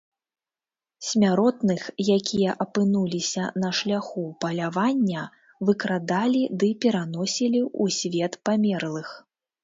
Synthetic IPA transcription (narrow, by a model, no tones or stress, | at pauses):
sʲmʲaɾɔt̪nɨxjakʲʰijɐʔɐpɨnulʲisʲɐnɐʂlʲaxupɐlʲavanʲːɐ | vɨkɾad̪alʲid̪ɨpʲɛɾan̪ɔsʲilʲiusʲvʲɛt̪pamʲɛrlˠɨx